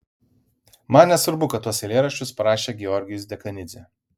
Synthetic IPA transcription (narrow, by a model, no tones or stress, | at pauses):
mɐnʲnʲɛsʊɾbʊkɐt̪ːuɔsʲɛlʲeːɾɐʃʲt͡ʃʲʊspɐɾɑːʃʲeːɡʲɛɔɾʲɡʲɪjʊsd̪ʲɛkɐnʲɪzʲe